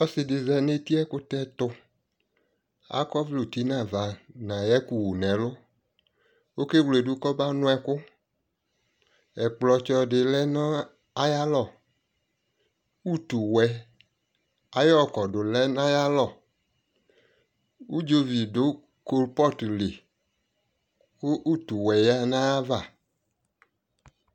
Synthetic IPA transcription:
ɔ˦sɪ˧dɪ˨zɛ˧ne˦ti˦ɛ˦kʊ˦tɛ˦tʊ˧ | a̰˦kɔ˦vlu˨ti˨˦nã˨va˨nã˨jɛ˦ku˨wu˨nɛ˨˦lʊ˦ | o˦ke˦wle˨dʊ˦kɔ˦ba˦nʊ̃˦ɛ˨kʊ˦ | ɛ˨k͡plɔ˧t͡ʃɔ˧dɪ˨lɛ˦nɔ˦ | a˦ja˦lɔ˨ | u˦tu˨wɛ˨˦ | a˨jɔ˦˨kɔ˨dʊ˨lɛ˦nã˦ja˦lɔ˨ | u˦d͡ʒo˦vi˨dʊ˨˦ | ko˦lpɔ˦tli˨ | kʊ˦ʔu˦tu˨wɛ˨ja˦nã˦ja˦va˦˨

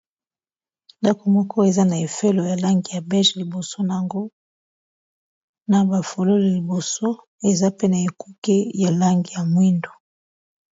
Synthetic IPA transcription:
nda˦ko˨mɔ˦kɔ˦e˨za˦na˨e˨fe˦lo˨ja˨la˦ŋɡi˨ja˨bɛ˦ʒe˨li˨bo˨so˦na˨a˨ŋɡo˦ | na˨ba˨fo˨lo˦li˨li˨bo˨so˦ | e˨za˦pe˦na˨e˨ku˦ke˦ja˨la˦ŋɡi˨ja˨mwi˦ndo̥˨

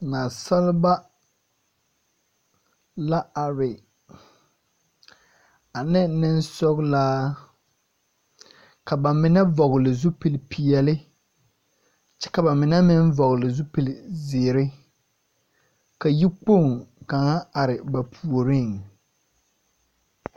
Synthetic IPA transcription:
na˨sa˦lɪ˦ba˦ | la˦a˨ɾɪ˨ | a˨nɪ˦nɪ˦nsɔ˦ɣlaː˦ | ka˨ba˨mɪ˨nɛ˦vɔ˨ɣlɪ˨zu˦pi˨lpʰi˨ɛ˨lɪ˦ | t͡ʃɛ˦ka˨ba˨mɪ˨nɛ˦mɪ˦n˦vɔ˨ɣlɪ˨zu˦pi˨lɪ˨zɪː˨ɾɪ˦ | ka˨ji˦k͡po˦˨ŋka˨ŋa˦a˨ɾɪ˨ba˨pʰu˨o˨ɾɪ˦˨ŋ

